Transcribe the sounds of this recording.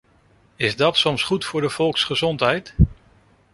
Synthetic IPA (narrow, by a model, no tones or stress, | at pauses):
ɪzdɑtsɔmsχutfʊːɹdəv̥ɔlˠksχəzɔntɦɛjt